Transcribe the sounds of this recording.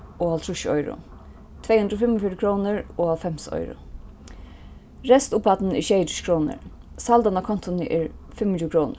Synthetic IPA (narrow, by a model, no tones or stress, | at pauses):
oalt̪ʰɾʊʃɔ̰jɾʊ̰ | t̪ʰvejhʉnd̪ɾɔfɪmɔfiɾɪkʰɾoːnəɹoːafɛmsɔ̰jɾʊ̰ | ɾɛst̪ʊpat̪n̩ɪʃeːd̪ɪ̥ʃkʰɾoːnɪ̰ɹ | sald̪anakʰɔn̥t̪ɔnəʔɪɹfɪmːnʰuːkɾoːnə̰